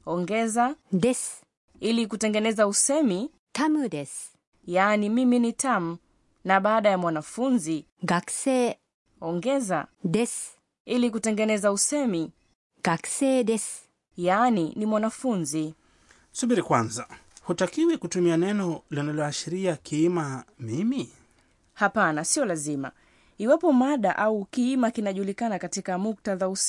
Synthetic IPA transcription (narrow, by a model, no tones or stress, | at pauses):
ɔŋɡɛzadɛs | ilik̬utɛŋɡɛnɛzausɛmi | tamdɛs | jaːnimiminitam̩ | naɓaːɗajamwanafunzi | ɡaksɛ | ɔŋɡɛzadɛs | ilikutɛŋɡɛnɛzausɛmi | ɡ̥aksɛdɛs | janinimwanafunzi | suɓiɾikwanzahutakiwɛkutumianɛnɔlinalɔaʃiɾiakiimamimi | hapanasiɔlazima̰ | iwapɔmaɗaʔaukiimakinaʄulikanakatikamuk̚taðaus